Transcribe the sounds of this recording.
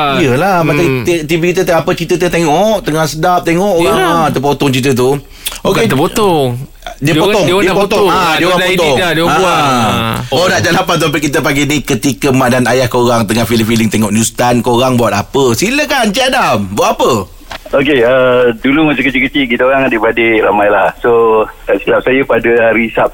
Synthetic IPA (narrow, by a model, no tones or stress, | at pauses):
ijəlahmakat̪t̪ibikit̪̬ət̪apət͡ʃit̪ət̪ət̪eŋɔʔt̪əŋahsədap̚t̪eŋɔʔoɣaŋat̪əpot̪ɔŋt͡ʃit̪̬ət̪̬u | okeəpoɔŋ | diəoɔŋdiəpot̪ɔdiəoapot̪ɔŋdaa | odaʔd͡ʒaʔlapant̪uampəʔkit̪̬əpaɡinikət̪ikəmaʔdanajahkoɾaŋt̪əŋahfiləmfiliŋt̪eŋɔʔnjust̪ankoɾaŋbawat̪apəsiləkant͡ʃiadambat̪apə | okeədulumat͡ʃəkət͡ʃikət͡ʃiʔkit̪əoɾaŋadibadeɾamajlahsot̪aʔsilap̚sajəpadəɾisap̚